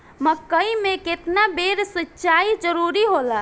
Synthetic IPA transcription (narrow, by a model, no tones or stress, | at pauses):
məkəimeket̪nabeɾsətːt͡ʃaid͡ʒəɾuɾiɦola